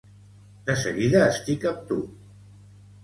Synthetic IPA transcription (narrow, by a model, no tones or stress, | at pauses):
d̪əsə̰ɣiðəːst̪ikam̚t̪u